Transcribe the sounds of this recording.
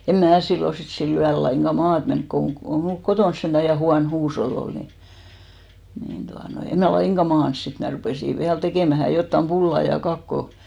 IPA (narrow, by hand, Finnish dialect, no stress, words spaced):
em mæː silːo sit silː yæl lɑiŋɡ̊ɑ mɑːt menk koŋ ɡ̊o ko mulk kotons sentæ jɑ huɑn huːsholː ol ni nin tuɑnoi em mæ lɑiŋɡ̊ɑ mɑːns sit mæ rupeˑsi ʋiæl tekeˑmæhæ jotːɑm pulːɑ jɑ kɑkːo